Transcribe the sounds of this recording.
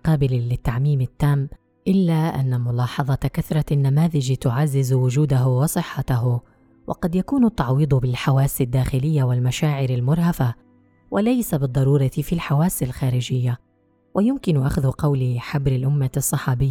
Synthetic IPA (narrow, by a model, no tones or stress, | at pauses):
qɑːbɪllɪt̪ːaʕmiːmɪt̪ːaːm | ʔɪlːaːʔa̰nːamʊlɑːħɑðˤɑkaθɾˤɑnːamaːðɪd͡ʒt̪ʊʕazːɪzwʊd͡ʒuːd̪aɦʊwɑsˤɨħːat̪aɦ | wʔɑ̰qɑd̪jakuːnʊt̪ːɑʕwiːd̪ˤbɪlħawaːsɪd̪ːaːxɪlɪjːawɪlmaʃaːʕɪɾalmʊɾˤhafa | wʔalajsabɨd̪ˤːɑɾˤuːɾˤɑt̪ɪfiːlħawaːsalxaːɾɪd͡ʒɪjːa | wʔajʊmkɪnʊʔa̰xðʊqɑwlɪħabɾɪlʔʊmːasˤːɑħɑːbɪjːa